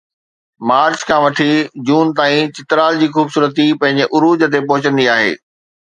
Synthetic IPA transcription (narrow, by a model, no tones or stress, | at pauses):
maːɾt͡ɕkʰãːʋɐʈʰid͡ʑuːnt̪aːĩt͡ɕɪt̪ɾaːld͡ʑiːxuːbsuːɾət̪ipɐ̃ɦɪ̃ɲ̆d͡ʑeʔʊɾuːd͡ʑə̆t̪̬epɔɦʊt͡ɕə̃nd̪iaːɦḛː